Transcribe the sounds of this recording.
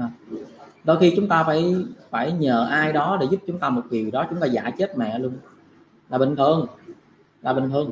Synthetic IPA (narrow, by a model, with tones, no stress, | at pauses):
ɗo˧jxi˧t͡ɕʊ˨˦ŋ͡mt̪aː˧faː˧˩jfaː˧˩jɲəː˨˩ʔaː˧jɗɔ˨˦ɗḛ˧˩zu˦˥p̚t͡ɕʊ˨˦ŋ͡mt̪aː˧mo˨˩t̚vi˨˩əwɗɔ˨˦t͡ɕʊ˨˦ŋ͡mt̪aː˧za̰ː˧˩t͡ɕe˦˥t̚mɛ̰˨lu˧ən | laː˨˩ɓï˨˩ŋ̟t̪ʰɨ˧əŋ | laː˨˩ɓi˨˩ŋ̟t̪ɨ˧ən